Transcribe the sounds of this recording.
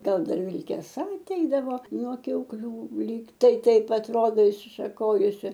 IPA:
ˈɡɐlˠ ˈdɐr ʋʲɪlʲkʲɛˈsɐ ɐˈtʲɛɪdɐʋoː nuɔ kʲɛʊkˈlʲuː ˈlʲiːk tɐɪ ˈtɐɪp ɐtˈroːdoː ɪʃʲsʲɪʃɐˈkoːjʊsʲɪ

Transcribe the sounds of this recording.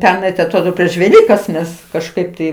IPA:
ˈpʲɛrnɐɪ tɐɪ ɐtˈroːdoː pʲrʲiɛʃ ʋʲɛˈlʲiːkɐs ˈmʲɛs kɐʃˈkɐɪp tɐɪ

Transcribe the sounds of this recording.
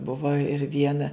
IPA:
ˈbʊʋoː ɪr ˈʋʲiɛnɐ

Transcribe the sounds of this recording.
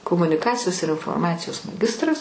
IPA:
koːmʊnʲɪˈkɑːt͡sʲɪjoːs ɪr ɪnfoːrˈmɑːt͡sʲɪjoːs mɐˈɡʲɪstrɐs

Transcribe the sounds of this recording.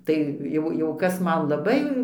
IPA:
ˈtɐɪ jɛʊ ˈjɛʊ ˈkɐs ˈmɐn lˠɐˈbɐɪ

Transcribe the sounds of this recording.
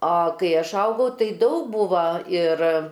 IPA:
ɐ kɐɪ ˈɐʃ ˈɐʊɡɐʊ ˈtɐɪ ˈdɐʊk ˈbuːʋɐ ɪr

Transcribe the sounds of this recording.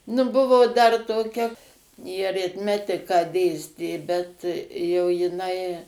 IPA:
nʊ ˈbʊʋoː ˈdɐr toːˈkʲɛ jɪ ɐrʲɪtʲˈmʲæːtʲɪkɑː ˈdʲeːsʲtʲeː bʲɛt ˈjɛʊ jɪˈnɐɪ

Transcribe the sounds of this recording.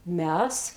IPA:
ˈmʲɛs

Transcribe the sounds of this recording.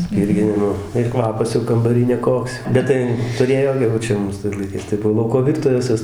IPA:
ˈsʲpʲiːrʲɡʲɪnʲɪmoː ɪr ˈkʋɑːpɐs jɛʊ kɐmbɐˈrʲiː nʲɛˈkoːks ˈbʲɛt tɐɪ tʊˈrʲeːjoː jɛʊ ˈt͡ʃʲɛ ˈmuːs tɐɪs lˠɐɪˈkɐɪs tɐɪ ˈbʊʋoː ˈlˠɐʊkoː ˈʋʲɪrtʊʋʲɛs ˈʋʲɪs

